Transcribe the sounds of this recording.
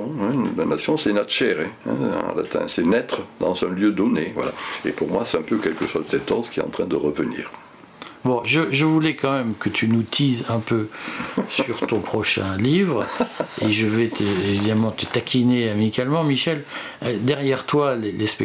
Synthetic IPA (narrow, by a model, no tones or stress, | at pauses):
ɛ̃nlanasjɔ̃sɛnat̪ʃɛʁeɛ̰̃la̰t̪ɛ̰̃sɛnɛt̪χəd̪ɑ̃zɛ̃ljød̪ɔnevwa̰laḛpuʁmwasɛ̥t̪ɛ̃pøkɛlkəswad̪əsɛt̪ɔ̃t̪kʲiɛt̪ɑ̃t̪χɛ̃d̪əʁəvənḭːʁ | bɔ̃ʒəʒəvulɛkɑ̃mɛmkət̪ʰynut̪ʰizɛ̃pøsyʁt̪ɔ̃pχɔʃɛ̰̃livʁeʒəvɛt̪ʰəevid̪amɑ̃t̪ət̪akʲʰineamikʲalmɑ̃miʃɛl | d̪ɛʁjɛʁt̪walelespɛ